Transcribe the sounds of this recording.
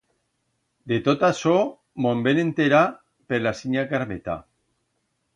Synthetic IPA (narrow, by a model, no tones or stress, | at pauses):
d̪et̪ot̪aso | mombenent̪eɾa | peɾlasiɲakaɾmet̪a̰